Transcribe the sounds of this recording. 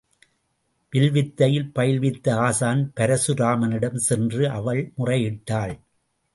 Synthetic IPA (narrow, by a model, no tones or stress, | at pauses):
ʋɪlʋɪt̪ːɐjɪlpɐjɪɭʋɪt̪ːɐaːsaːnpɐɾɐsɯɾaːmɐnɪɽɐmsɛndrɯʔɐʋɐɭmʊrɐɪɪʈːaːɭ